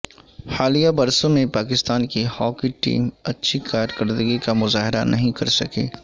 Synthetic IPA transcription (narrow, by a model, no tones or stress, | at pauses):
haːlijabɐɾsõmẽpaːk̬ɪst̪aːnkihɔːkiʈḭːmɐtːʃʰikaːɾkɐɾd̪əɡikamʊzaːɦɪɾa̰nʔɐɦĩkɐɾsɐkḛː